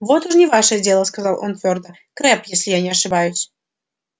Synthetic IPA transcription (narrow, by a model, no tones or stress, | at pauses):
vo̞t̪uʂnʲɪvaʂɨədʲe̞lˠəskɐzɑlˠʔont̪vʲord̪ə | kɾɛpjesʲlʲɪjanʲɪɐʂɨbajʊsʲ